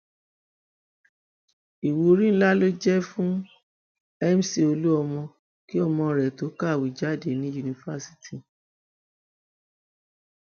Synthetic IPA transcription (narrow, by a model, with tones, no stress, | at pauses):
i˨wo˨˦ɾĩ˦n̩˦la˦lo˦d͡ʒɛ˦fũ˦ | ɛ˦m̩˦si˨o˧lu˦ɔ˧mɔ̃˧ | ki˦ɔ˧mɔ̃˧ɾɛ˨to˨˦ka˦˨wi˨d͡ʒa˨˦˨de˨˦nĩ˨˦ju˨˧nĩ˧fa˦si̥˦tʰi˨